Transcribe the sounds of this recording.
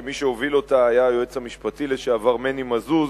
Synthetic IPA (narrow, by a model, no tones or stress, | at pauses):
miʃeovilo̞taːjajoet͡shamiʃpatileʃeavaʁme̞nimazuz